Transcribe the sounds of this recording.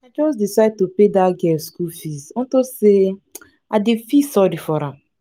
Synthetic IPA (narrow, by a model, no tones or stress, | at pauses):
ad͡ʒɔs̬disaɪd̚topedaɡɛskufizɔ̃tose | adefisɔɾifɔɾãm